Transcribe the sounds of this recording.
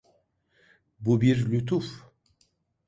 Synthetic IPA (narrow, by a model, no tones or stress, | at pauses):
bubiɾlyt̪ʰuf